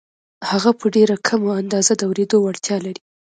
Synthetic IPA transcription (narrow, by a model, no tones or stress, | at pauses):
haɣapəɖeɾakʰamoand̪ɑzad̪əawɾed̪owaɽt̪jɑlaɾi